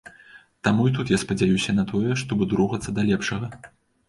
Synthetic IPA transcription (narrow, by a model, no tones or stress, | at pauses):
t̪amuit̪ut̪jaspɐd͡zʲajusʲɐnɐt̪ɔjɛʂt̪ɔbɨd̪ɾuɣɐt̪sːɐd̪ɐlʲɛpʂɐɣɐ